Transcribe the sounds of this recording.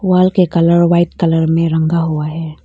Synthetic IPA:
waːlkekɐləɾʋaːɪt̪kɐləɾmẽɾɐ̃ŋɡaɦuaɦɛː

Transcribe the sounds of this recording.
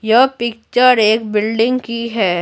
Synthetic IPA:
jɐpɪk̚t͡ʃəɾeːkbɪlɖɪ̃ŋɡkiɦɛː

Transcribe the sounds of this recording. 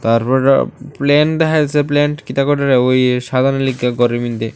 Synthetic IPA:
t̪aɾpɔɾplɛnd̪ɛkʰajsʰeplɛnʈkit̪akɔʈaɾeojʃad̪ʱaɾnolikːaɡɔɾimind̪e

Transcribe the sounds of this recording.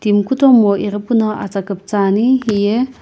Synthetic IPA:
t̪imkut̪ɔmɔʔiɾpunɔʔa̰t͡sakəp̚t͡saniɦije

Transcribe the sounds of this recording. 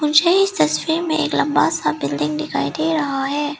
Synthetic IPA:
mʊnseɪst̪ɐsfiːɾmẽḛːklɐ̃mbasabɪlɖɪ̃ŋɡɖɪka̰ːid̪eːɾɐɦaɦɛː

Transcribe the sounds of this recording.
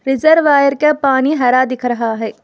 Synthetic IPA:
ɾɪzəɾʋaːjəɾkapaːniɦɐɾad̪ɪkʰɾɐɦaɦɛː

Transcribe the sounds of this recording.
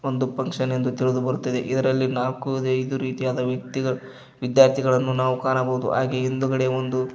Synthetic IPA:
o̞nd̪upɐŋkʂɐnend̪ut̪iɭud̪ubɐɾut̪ːid̪eʔid̪ɐɾɐlːinaːlkud̪ɐjd̪uɾiːt̪ijaːd̪ɐʋjɐk̚t̪iɡɐ | ʋid̪jaːɾt̪ʰiɡɐɭɐnːunaːʋukaːnɐbɐud̪ṵʔa̰ːɡeind̪uɡɐɽeond̪u

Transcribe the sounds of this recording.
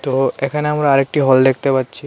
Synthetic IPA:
t̪oekʰaneamɾaaɾek̚ʈiɦɔld̪ek̚ʰt̪epatːɕʰi

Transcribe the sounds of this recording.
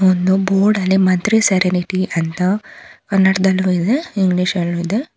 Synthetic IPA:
ond̪uboːɾɖɐlːimɐnt̪ɾiseɾeniʈiʔɐnt̪ɐkɐnːɐʈɐd̪ɐlːuid̪eiŋɡɭiːʃɐlːuid̪e

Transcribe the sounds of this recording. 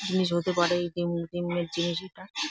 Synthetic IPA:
d͡ʑiniʃ̬ɦot̪epaɾeid̪imd̪imeɾd͡ʑiniʃeʈa

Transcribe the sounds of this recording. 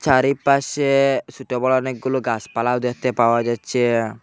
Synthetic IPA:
t͡ʃaɾipasesuʈɔbɔlɔneɡuluɡaspalawd̪ɛt̪ɛpawad͡ʒat͡ʃe

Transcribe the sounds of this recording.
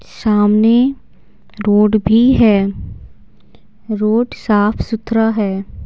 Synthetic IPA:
saːmne | ɾoːɖbʱiɦɛː | ɾoːɖsaːpʰsʊt̪ɾəɦɛː

